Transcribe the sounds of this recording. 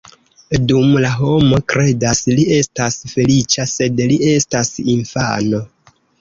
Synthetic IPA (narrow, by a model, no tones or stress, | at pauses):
dumlaɦo̞mo̞kɾe̞daslie̞stasfe̞lit͡ʃase̞dlie̞stasiɱfa̰no̞